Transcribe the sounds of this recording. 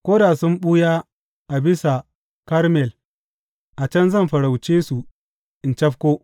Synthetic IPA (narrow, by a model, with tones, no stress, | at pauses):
kʷoː˦daː˨sʊ˦mɓu˦jaː˦ | ʔa˨bɪ˦sa˨ | kɐ˦ɾmɛ˨l | ʔa˨t͡ʃɐ˦nzɐ˦˨mɸɐ˨ɽa˨wt͡ʃeː˦su˨ | ʔɪ˨nt͡ʃɐ˦ɸkʷoː˦